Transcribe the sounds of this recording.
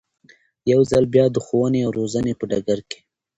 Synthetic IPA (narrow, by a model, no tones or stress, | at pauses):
jawzalbjɑd̪əxowəneawɾozanepəɖaɡaɾke̥